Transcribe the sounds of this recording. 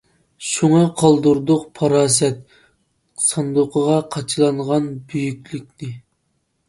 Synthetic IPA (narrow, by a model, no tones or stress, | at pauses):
ʃuŋɑqʰɑlˠd̪uɾd̪ʊqpʰɑɾɑːs̬ɛt̪̚ | sɑnd̪ʊqʰəʁɑqʰɑt͡ʃʰlˠɑɴʁɑnbyjykʲlyk̚ʲnɪ